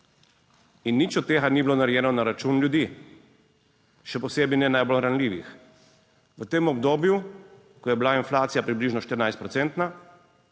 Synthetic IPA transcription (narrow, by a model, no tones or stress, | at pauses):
inːit͡ʃɔt̪ːeːɣanibilonaɾjɛːnɔnaɾat͡ʃunlʲjud̪i | ʃɛpɔseːbinɛnajbolɾanliːʋḭx | ʋət̪eːmɔbd̪oːbju | kɔjɛbilainflaːt̪sijapɾibliʒnɔʃt̪əɾnajst̪pɾɔt̪sɛnt̪na